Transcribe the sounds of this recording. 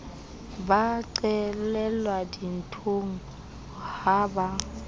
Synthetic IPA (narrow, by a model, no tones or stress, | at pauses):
baǀɛlɛlwadin̩tʰoŋ̩ | haːba